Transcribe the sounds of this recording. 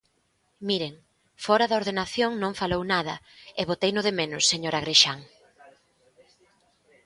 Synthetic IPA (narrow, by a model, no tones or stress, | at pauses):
miɾeŋ | fɔɾɐðɐoɾðenaθjoŋnõŋfalownaðɐ | eβot̪ejnʊðemenʊsːeɲoɾaɣ̞ɾeʃaŋ